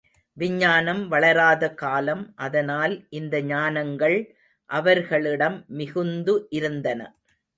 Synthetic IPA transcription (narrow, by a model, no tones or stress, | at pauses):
ʋɪɲːaːnɐmʋɐɭɐɾaːðɐkaːlɐmʔɐðɐnaːlʔɪnd̪ɐɲaːnɐŋɡɐɭ | ʔɐʋɐɾɣɐɭɪɽɐmːɪɣɯnd̪ɯʔɪɾɯnd̪ɐnɐ̰